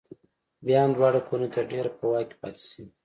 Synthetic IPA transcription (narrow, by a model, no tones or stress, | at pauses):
bjɑamd̪wɑɽakonat̪aɾɖeɾapəwɑke̥pɑt̪i̥si